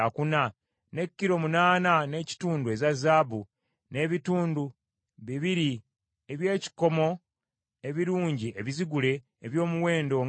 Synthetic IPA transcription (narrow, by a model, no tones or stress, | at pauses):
akuna | ne̞kːiɾo̞munaːnane̞ːci̥tuːnduezazaːbu | ne̞ːβituːndu | βiβiɾi | eβje̞ːci̥ko̞mo̞ | e̞βiɾuːɲɟiʔeβiziɡule̞ː | βjo̞ːmuwe̞ːndo̞ŋ